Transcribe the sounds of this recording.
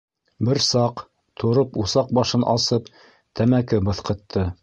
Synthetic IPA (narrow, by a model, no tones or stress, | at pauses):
bɘɾsɑq | t̪ʰŏɾɤpusɑq̚bɑʃɤnʔɑsɤp | t̪ʰæmækɘbɤ̆θqɤ̆t̪ʰːɤ